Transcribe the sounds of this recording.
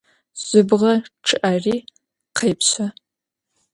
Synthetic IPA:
z̥ʷʊbʁɐʈ͡ʂʰɨʔari | qʰejpʰɕʷa

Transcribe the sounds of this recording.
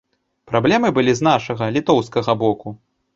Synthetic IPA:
pɾablʲɛmɨbɨlʲizn̪aʂɐɣɐlʲit̪ɔwskɐɣɐbɔku

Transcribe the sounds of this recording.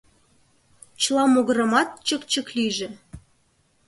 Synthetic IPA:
t͡ɕəlˠɑmoɣɤɾə̆mɑt̪̚t͡ɕəkt͡ɕə̆kliʒĕ

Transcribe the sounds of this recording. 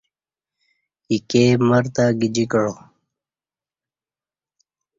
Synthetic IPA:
ikeːməɾt̪aɡid͡ʑikəɻo

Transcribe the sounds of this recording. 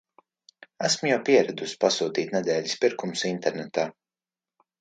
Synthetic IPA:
æsmujawpiɛɾɛd̪uspasuːt̪iːt̪nɛd̪ɛːlʎʲispiɾkumsint̪ɛɾnɛt̪aː

